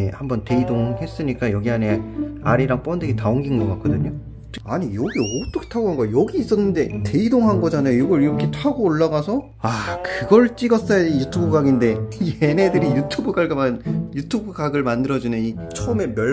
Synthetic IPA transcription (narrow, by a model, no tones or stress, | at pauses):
hambʌnte̞idoŋhe̞s͈ɯɲik͈ajʌɡiɦane̞aɾiɾaŋp͈ʌndɯɡitaoŋɡinŋɡʌk͈ak͈ʌdɯɲo | t͡ɕaɲijʌɡiot͈ʌkʰe̥tʰaɡoɦanɡʌjʌɡiːs͈ʌnːɯnde̞te̞idoŋɦanɡʌd͡ʑanajojoɡʌɾiɾʌkʰetʰaɡoːɭːaɡasʰʌ | akɯɡʌɭt͡ɕ͈iɡʌs͈ʌjaijutʰubɯɡaɡinde̞iene̞dɯɾijutʰubɯɡaɭɡɯmanjutʰubɯɡaɡɯɭmandɯɾʌd͡ʑunɯni | t͡ɕʰʌme̞mjʌ